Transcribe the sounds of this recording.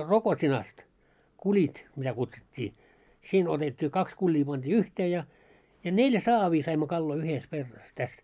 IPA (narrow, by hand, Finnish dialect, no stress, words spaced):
rokotʲinɑst kulʲit mitæ kutsutʲːiː siːn otetʲːiː kɑks kulʲːiː pɑnd̥iː yhteː jɑ jɑ nelj̆æ̆ sɑːʋiː sɑimːo kɑlːoi yhes kerːɑs tæs